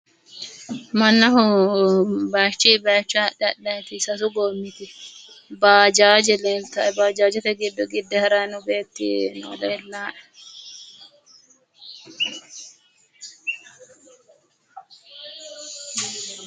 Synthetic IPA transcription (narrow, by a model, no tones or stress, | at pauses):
mɐnːɐɦʊ | baːt͡ʃːiːbaːt͡ʃːaːɗɛɗɐt̪ɪsɐsʊɡoːmːɪt̪ɪ | baːd͡ʒaːd͡ʒɛleːlt̪ɐɛbaːd͡ʒaːd͡ʒɛt̪ɛɡɪd̪ːɔɡɪd̪ːɛhɛɾanʊbe̞ːt̪ːḭnɔ̰ɔd̪ɛːlːaːʔɛ